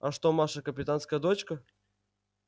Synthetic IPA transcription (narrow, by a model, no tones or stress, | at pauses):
ɐʂt̪omaʂəkəpʲɪt̪anskəjəd̪ot͡ɕkə